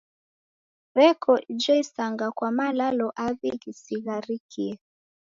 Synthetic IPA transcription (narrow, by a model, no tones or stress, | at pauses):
ɾɛkʰɔid͡ʒɛisaŋɡakwamalalɔʔaβiɣisiɣaɾikʰiɛ